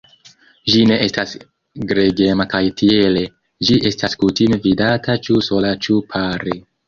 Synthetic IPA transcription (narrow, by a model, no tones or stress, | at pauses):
ʒine̞ʔestas | ɡɾeɡe̞makajtʰiele̞ | d͡ʒiʔe̞staskutimvidatʰat͡ʃuso̞lat͡ʃupʰaɾe